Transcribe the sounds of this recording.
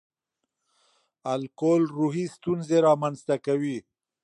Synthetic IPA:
alkolɾuɦist̪unzeɾɑmanzt̪akawi

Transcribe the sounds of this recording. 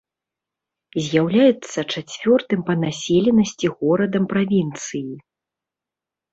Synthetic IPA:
zʲjawlʲajɛt̪sːɐt͡ʂat͡sʲvʲɔrt̪ɨmpɐnasʲɛlʲɛnɐsʲt͡sʲiɣɔɾɐd̪ɐmpɾavʲint̪sɨji

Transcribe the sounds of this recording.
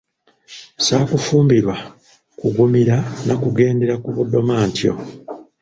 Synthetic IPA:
saːkufuːmbiɾwa | kuɡumiɾanakuɡe̞ːnde̞ɾakuβudːo̞maːntjo̞̰

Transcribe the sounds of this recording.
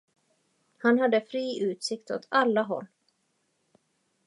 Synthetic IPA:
hanɦad̪ːəfɾiːʔʉ̟ːt̪sɪkt̪ɔ̰t̪ʰalːaɦɔ̰lː

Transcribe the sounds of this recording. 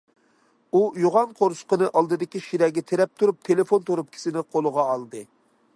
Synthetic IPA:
ujoʁɑnqʰoɾsʊ̥qənɨʔɑlˠd̪ɨd̪ɪkʲiʃiɾɛɡʲɛt̪ʰeɾɛp̚t̪ʰuɾup̚t̪ʰelɪfont̪ʰoɾup̚kʲʰi̥sɪnɪqʰolˠʊʁɑːlˠd̪ɨ

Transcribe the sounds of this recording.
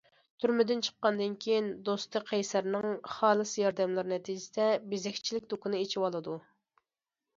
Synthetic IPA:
t̪ʰyɾmɪd̪ɪnt͡ʃʰə̥qːɑnd̪ɨnkʲʰejind̪ost̪ʰɨqʰɛjsæɾnɪŋχɑːlˠɨsjɑɾd̪ɛmlˠɨɾnɛt̪ʰid͡ʒɪsɪd̪ɛbezɛxʲt͡ʃʰilɪk̚ʲd̪okunɨet͡ʃʰiwɑlˠɨd̪u

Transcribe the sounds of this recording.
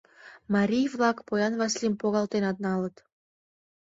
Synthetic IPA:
mɑɾʲijvlɑkpojɑnvɑslimpoɣɑlt̪enɑt̪̚nɑlət̪

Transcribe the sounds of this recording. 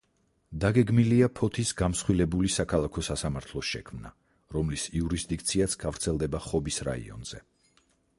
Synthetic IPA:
d̪aɡɛɡmiliapʰɔt̪ʰisɡamsχwilɛbulisakʰalˠakʰɔsasamaɾt̪ʰlˠɔʃɛ̰kʰmna̰ | ɾɔmlisiuɾisd̪ik̚t̪sʰiasʰɡ̥avɾt̪sʰɛlˠd̪ɛbaχɔbisɾa̰ḭɔ̰nz̥ɛ̰

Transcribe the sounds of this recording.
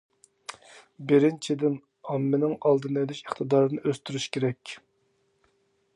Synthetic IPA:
bɪɾɪnt͡ʃʰid̪ɪn | ɑmːɪnɪŋɑlˠd̪ɨned̪yʃiχt̪ɨd̪ɑːɾɨnɨʔøst̪yɾyʃkʲʰeɾɛkʲ

